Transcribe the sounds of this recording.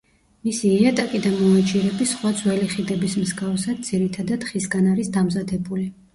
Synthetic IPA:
misiːat̪ʼakʼid̪amɔat͡ʃʰʼiɾɛbisχwad̪zwɛliχid̪ɛbismzɡafsad̪̚d̪z̥iɾit̪ʰad̪ad̪χisɡanaɾisd̪amzad̪ɛbuli

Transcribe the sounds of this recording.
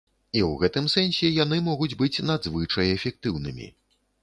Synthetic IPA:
iwɣɛt̪ɨmsɛnsʲɛjan̪ɨmɔɣud͡zʲbɨt͡sʲnad̪zvɨt͡ʂɐjɛfʲɛk̚t̪ɨwnɨ̰mʲḭ

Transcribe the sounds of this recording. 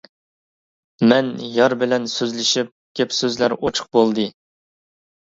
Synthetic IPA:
mɛnjɑɾbɪlɛnsøzlɪʃip̚ɡʲɛpsøzlæɾot͡ʃʰʊ̥q̚bolˠd̪ɨ

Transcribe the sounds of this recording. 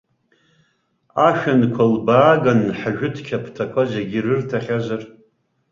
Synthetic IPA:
aʃᶣankʷʰalbaːɡanħaʒᶣʊtʰkʲʰapʰtʰakʷʰazeɡʲɪrɨrtʰaχʲazar

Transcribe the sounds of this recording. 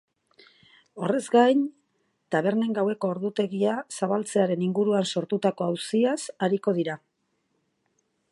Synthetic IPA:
o̞re̞zɡajn | t̪aβ̞e̞ɾne̞ŋɡawe̞ko̞ːɾðut̪e̞ɣiasaβalt͡se̞aɾe̞niŋɡuɾuanso̞ɾt̪ut̪ako̞awsiasaɾiko̞ð̞iɾa

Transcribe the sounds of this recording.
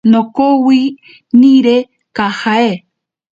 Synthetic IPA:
nokowi | nĩɾe | kahae

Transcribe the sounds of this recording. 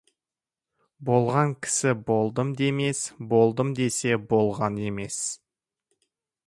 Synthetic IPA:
bo̞lˠʁɑŋkʲʰɪ̥sɪbo̞lˠd̪əmd̪e̞me̞sbo̞lˠd̪əmd̪e̞se̞bo̞lˠʁɑne̞me̞s

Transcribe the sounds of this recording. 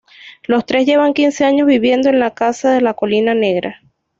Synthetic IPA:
lo̞st̪ɾe̞zʝe̞βaŋkinse̞aɲo̞zβiβje̞nd̪oe̞nlakasaðe̞lako̞linane̞ɣɾa̰

